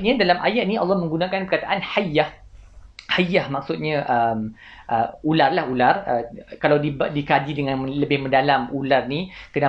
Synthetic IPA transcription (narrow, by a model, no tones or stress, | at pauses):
ɲadalamʔa̰jat̪̚nĩɑ̰lːɑhmə̃ŋɡunãkanpərkat̪aʔanhajah | hajahmak̚sʊt̪̚ɲãʔəm | ʔəularlahularəkalawdibdikad͡ʒidəŋãnləbɪhmə̃ndalamularnikəna